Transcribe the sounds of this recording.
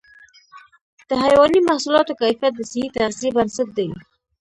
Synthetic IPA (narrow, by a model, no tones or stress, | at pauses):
d̪̥əɦajwɑnimahsulɑt̪okajfijat̪̚d̪əsɪhit̪aasebansɪt̪̚d̪aj